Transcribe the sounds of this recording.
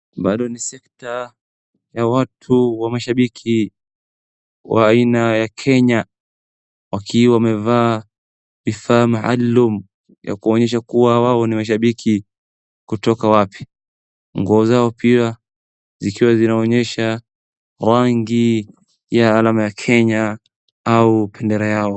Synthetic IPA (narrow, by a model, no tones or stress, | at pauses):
ɓaɗɔnisɛkta | jawatʰuwamaʃaɓikʰi | wʔaːinajakʰɛɲa | wakʰiwamɛvaː | vifaːmaʔa̰lːum | ja̰kuɔɲɛʃ̬akuwawaɔnimaʃ̬aɓikʰi | kutɔkawapʰi̥ | ŋɡuɔzaɔpia | zikiwazinaɔɲɛʃa | ɾaŋɡi | jaːlamajakʰɛɲa | aupʰɛndɛɾɛjaɔ